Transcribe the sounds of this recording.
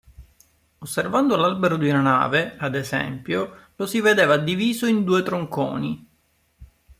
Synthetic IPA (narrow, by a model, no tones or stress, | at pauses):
osːervand̪olalbeɾod̪iunana̰ːvead̪ezɛ̰mpjolosived̪eːvad̪ːiviːzoind̪uːet̪ɾoŋko̰ːni